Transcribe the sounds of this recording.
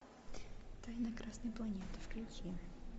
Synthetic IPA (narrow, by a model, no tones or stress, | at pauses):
t̪ajnɐkɾasnəjplˠɐnʲet̪ɨfklʲʊkʲi